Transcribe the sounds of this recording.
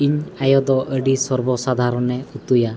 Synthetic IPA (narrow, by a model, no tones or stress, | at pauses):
iɲajɔd̪ɔʔəɖisɔɾbɔsad̪ʱaɾɔnɛut̪uja